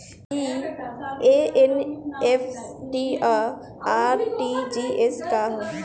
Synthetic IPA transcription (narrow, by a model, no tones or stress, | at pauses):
i | eenefʈia | aɾʈid͡ʒieskaɦõ